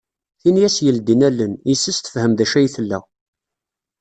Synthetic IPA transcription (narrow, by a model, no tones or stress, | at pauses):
θinjæsjəld̪inælːənisːəst̪ə̥fhəmðæʃæjθəlːæ̰